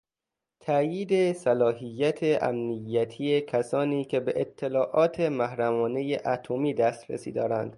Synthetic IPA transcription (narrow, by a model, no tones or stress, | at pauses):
t̪ʰæjiːd̪e̞sælɒːɦijːæt̪ʰeʔæ̰mnijːæt̪ʰijecʰæsɒːniːkʰe̞beʔet̪ʰːelɒːʔɒːt̪ʰe̞mæhɾæmɒːne̞jeʔæt̪ʰomiːd̪æst̪ɾḛsḭːd̪ɒːɾænd̪̥